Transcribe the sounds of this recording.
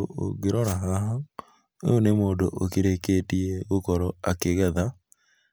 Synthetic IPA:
ʔo̰ɣeɾɔɾaɦaɦa | onemoːndoʔokeɾekeːtieɣokɔɾɔakeɣɛða

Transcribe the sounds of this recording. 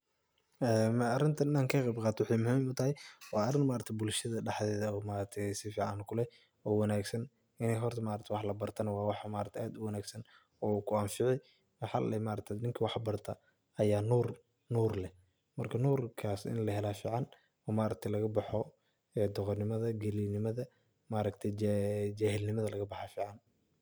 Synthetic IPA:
ɛːmɐrɪnt̪ʰɐnɪnaːŋkʰɐqɛjbqɑːt̪ʰɔwɪħɑjmʊɦiːmʊt̪ʰɐhɛjwɑːɐrɪnmaːɾɐt̪ʰɛbʊlʃɐðɐɖɑħðɛːðɐɔːmaːɾɐt̪ʰɛsɪfiːʕɑnkʰʊlɛ | ɔːwɐnaːɡsɐn | ɪnɛjɦɔrt̪ʰɐmaːɾɐkt̪ʰɛjwɑħlɐbɐrt̪ʰɐnɐwɑːwɑħmaːɾɐt̪ʰɛʔaːd̪ʊwɐnaːɡsɐn | ɔːkʰʊaːnfɪʕɪj | wɑħɑ̰lɛmaːɾɐk̚t̪ʰɛd̪nɪŋkʰɐwɑħbɐrt̪ʰɐ | ɐjaːnuːr | nuːrlɛ | mɐrkʰɐnuːrkʰaːsɪ̰nlɐɦɛlaːfiːʕɑn | ɔːmaːɾɐk̚t̪ʰɛjlɐɣɐbɑħɔ | ɛːd̪ɔqɔnɪmɐðɐɡɛlinɪmɐðɐ | maːɾɐkt̪ʰɛjd͡ʒaːhɪlnɪmɐðɐlɐɣɐbɑħafiːʕɑn

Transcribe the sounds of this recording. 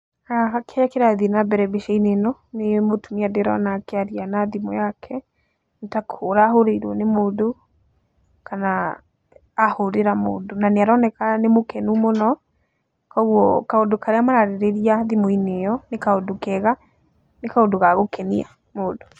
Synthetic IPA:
aɦakʰɛakeɾaðinabɛɾɛbeʃainenɔnemotumiadeɾɔ̰nakɛaɾianaðimɔ̰jakʰɛ | ntakʰoɾaːɦoɾeiɾwɔnemoːdo | kanaː | hoɾeɾamo̰ːdonaneaɾɔnɛkanemokɛnumonɔ | kɔɣwɔkaodokaɾeamaɾaɾeɾeɾiaðimɔinejɔnekaodokɛɣa | nekaodoɣaɣokɛnia | moːdo

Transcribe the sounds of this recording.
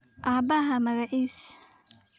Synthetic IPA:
ʔaːbɐɦɐmɐɣɐħiːs

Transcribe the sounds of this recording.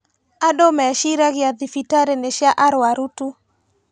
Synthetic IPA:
adɔmɛʃiɾaɡɪad̪ifitaɾeneʃjaʔaɾwaɾutu

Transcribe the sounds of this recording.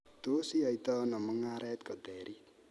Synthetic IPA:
t̪osiait̪ɔnɔməŋaɾɛt̪kɔd̪ɛɾi

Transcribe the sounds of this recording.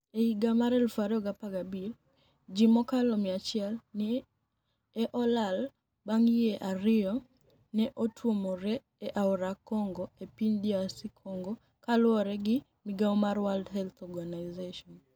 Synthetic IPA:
eiɡamaɾɛlfaɾɔɡapaɡabil | d͡ʒimɔkalɔmɪat͡ʃɪɛlnɪ | ɛʔɔlal | baŋjeʔaɾɪɔ | nɛʔotʰwomɔɾɛ | ɛʔaɔɾakɔŋɡɔepiɲdiasikʰɔŋɡɔ | kalʊɔɾɛɡɪ | miɡaɔmaɾwaldhɛlt̪ɔɡanaɪzeʃɔn

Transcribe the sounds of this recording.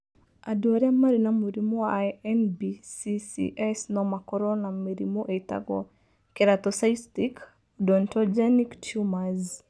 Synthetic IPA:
a̰dwɔɾɛmaɾinamuɾimoaɛnbisisḭʔɛsnɔmakɔɾɔnameɾḭmoʔeita̰ɡɔ̰ | kɛɾat̪ɔsaistik | dɔntɔd͡ʒɛniktʰumaz

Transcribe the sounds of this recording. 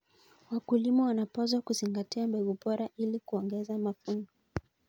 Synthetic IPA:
wakulimɔwanapɔzwakuziŋɡatiambɛɡubɔɾaʔilikuɔŋɡɛzamafunzɔ

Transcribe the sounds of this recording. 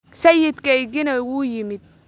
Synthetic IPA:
sɐjɪd̪kʰɛjɡɪnɛwuːjɪmɪd̪̚

